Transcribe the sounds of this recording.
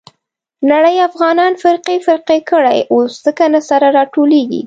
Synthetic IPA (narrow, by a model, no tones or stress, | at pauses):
naɽəjafɣɑnɑnfɪɾqefɪɾqekəɽajosz̥əkanasaɾaɾɑʈoleɡḭ